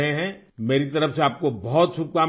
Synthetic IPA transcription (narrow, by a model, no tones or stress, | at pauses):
ɦeɦɛ̃ | meːɾit̪ɐɾəfseaːp̚kobɔɦt̪ʃʰʊp̚kaː